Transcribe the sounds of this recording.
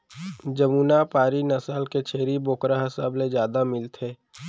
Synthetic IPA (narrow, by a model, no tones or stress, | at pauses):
d͡ʒɐmuːnapaːɾinɐsalket͡ʃʰeːɾiboːkɾaɦɐsaːbled͡ʒjaːd̪amɪlt̪ʰeː